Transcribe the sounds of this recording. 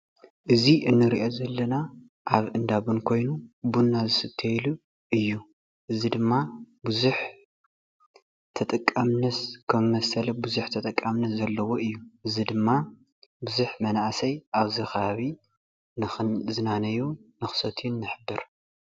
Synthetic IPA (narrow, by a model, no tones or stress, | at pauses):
ʔɨziʔɨnːɨɾiʔo̞zɐlːɐna | ʔaβʔɨnd̪aβunkʰo̞jnubunːazɨsɨt̪ʰːɐjlu | ʔɨjːu | ʔɨzid̪ɨmːa | bɨzuħ | t̪ʰɐt̪ʼɐkʼːamnɐskʰɐmːɐsɐlɐbuzuħt̪ʰɐt̪ʼɐkʼːamnɐszɐlːɐwo̞ɨjːuʔɨzid̪ɨmːa | buzuħmɐnaʔsɐjʔaβzixɐβaβi | nzɨnanɐjunɨxsɐt̪ʰunːɨħɨbːɨɾ